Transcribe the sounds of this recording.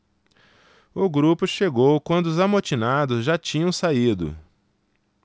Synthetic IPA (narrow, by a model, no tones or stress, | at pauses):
ʊɡɾupʊʃeɡowkwɐ̃nd̪ʊʊzamot͡ʃinad̪ʊzʒat͡ʃĩɲɐ̃w̃said̪ʊ̰